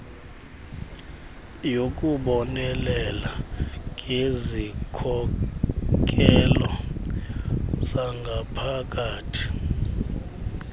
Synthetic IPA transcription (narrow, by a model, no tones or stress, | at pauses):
jok̬ʼuɓɔnɛlɛlaŋʱezikʰɔ | k̬ʼɛlɔ | z̥aŋɡʱapʰak̬ʼaːtʰi̥